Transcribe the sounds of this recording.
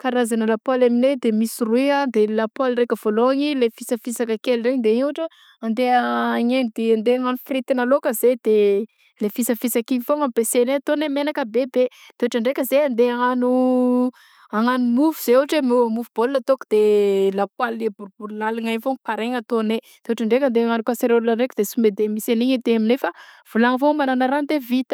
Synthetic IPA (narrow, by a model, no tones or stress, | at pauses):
kaɾazanəlapwalamined̪emisiruiad̪elapwalrekʲəv̥oloaɲilefisəfisakəkelreɲd̪eiɲaʈ͡ʂə | and̪eaːɲenid̪eand̪eaŋanufrit̪inalokəzed̪̥e | lefisəfisakiɲifoŋambeseneat̪onemenakəbebe | d̪̥eaʈ͡ʂaɳɖ͡ʐekʲəzeand̪eaŋanu | aŋanumuvuz̥eoaʈ͡ʂemeamuvubolːat̪oku̥d̪̥elakwalːebuɾbuɾulaliŋaɲfoŋpaɾeŋat̪oned̪̥euʈ͡ʂaɳɖ͡ʐekand̪eaŋanukaseɾolləɳɖ͡ʐekud̪̥esumed̪emiseniɲid̪eaminefav̥ulaŋəvomananaɾand̪evit̪ə̥